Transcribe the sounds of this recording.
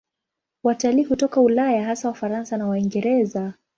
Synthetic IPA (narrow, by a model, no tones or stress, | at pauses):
wataliːhutɔkaulajaɦasawafaɾansanawaiŋɡɛɾɛza